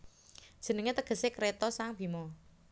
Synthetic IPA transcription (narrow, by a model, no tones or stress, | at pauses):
d̥ʒ̥ə̤nəŋet̪əɡ̥ə̤sekɾet̪ɔsaŋb̥i̤mɔ